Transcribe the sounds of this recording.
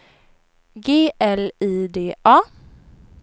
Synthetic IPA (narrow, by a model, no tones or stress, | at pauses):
ɡeːʔɛliːd̪eːʔɑː